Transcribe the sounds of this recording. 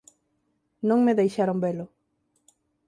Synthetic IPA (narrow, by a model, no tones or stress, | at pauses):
nõŋmeðejʃaɾoŋbelʊ